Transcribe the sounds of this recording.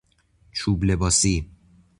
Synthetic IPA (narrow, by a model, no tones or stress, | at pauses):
t͡ʃʰuːble̞bɒːsi